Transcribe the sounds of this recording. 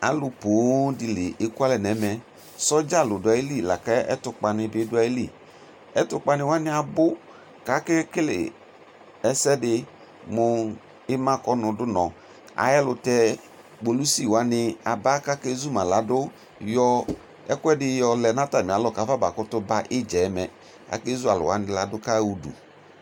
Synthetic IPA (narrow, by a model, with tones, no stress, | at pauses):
a̰˨lʊ˧po˨˦dɪ˧lɪ˨ʔe˦ku˦a˦lɛ˨nɛ˨˦mɛ˨ | sɔ˦d͡ʒa˦˨lʊ˨dʊ˨a˨˦i˦li˦˨la˨ka˦ɛ̰˦tʊ˧k͡pa˨nɪ˧bɪ˨˦dʊ˦a˨i˦lḭ˦˨ | ɛ˦tʊ˨˦k͡pa˧nɪ˧˨wa˦nɪ˦a˨bʊ˦ | ka˦kɛ˦kɪ˦lɪ̰˨ | ɛ˨˦sɛ˦dɪ˧ | mʊ˧ | ɪ˦mã˦kɔ˦nʊ˨dʊ˦nɔ̃˨ | a̰˨jɛ˦lʊ˨tɛ˦ | ɡ͡bo˨lu˦si˦˨wa˨˦nɪ˦a˨ba˦ka˦ke˦zu˦mã˨la˨dʊ˦ | jɔ˦ | ɛ̰˦kɛ˦dɪ˦jɔ˦lɛ˨na˦ta˨m˨a˨lɔ˦ka˨˦va˦ba˨kʊ˦tʊ˦ba˦ʔɪ˦d͡ʒɛ˨˦mɛ˨ | a̰˨ke˦zu˦a˨lʊ̰˨wa˨˦nɪ̃˨la˨dʊ˦ka˦wu˨dṵ˨